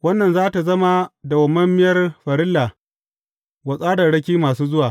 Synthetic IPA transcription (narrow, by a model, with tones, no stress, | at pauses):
wɐ˦nːɐ˨nzaː˦ta˨zɐ˦ma˦da˨wɐ˨mɐ˦mːɪ˦jɐ˦rɸɐ˨ɾɪ˦lːaː˨ | wɐ˨sʼaː˦dɐ˨ɽɐ˦kʲiː˦maː˨suː˦zʊ˦waː˨